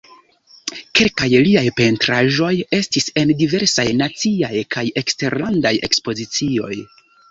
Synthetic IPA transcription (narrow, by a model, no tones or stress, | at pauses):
ke̞lkajliajpe̞ntɾaʒo̞je̞stise̞ndive̞ɾsajnat͡siajkʰaje̞kste̞ɾlandaje̞̰kspo̞zit͡sio̞̰j